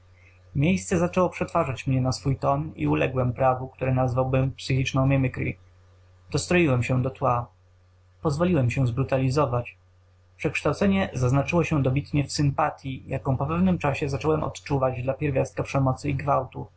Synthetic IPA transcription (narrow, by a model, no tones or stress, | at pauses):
mʲjejst̪sɛzat͡ʂɛwɔpʂɛt̪faʐat͡ɕmɲɛnasfujt̪ɔnḭulɛ̰ɡwɛmpɾavuk̚t̪uɾɛnazvawbɘmpsɘxʲit͡ʂnɔ̃w̃mʲɛmɘkɾʲḭ | d̪̥ɔst̪ɾɔjiwɛmɕɛd̪ɔt̪wa | pɔzvɔlʲiwɛmɕɛw̃zbɾut̪alʲizɔvat͡ɕ | pʂɛkʂt̪awt̪sɛɲɛzaznat͡ʂɘwɔɕɛd̪ɔbʲit̪ɲɛfsɘmpat̪ʲjijʔakɔ̃w̃pɔpɛvnɘmt͡ʂaɕɛzat͡ʂɔwɛmʔɔ̰t̪t͡ʂuvad͡ʑd̪lapʲjɛɾvʲjast̪kapʂɛmɔt̪sɘiɡvawt̪ṵ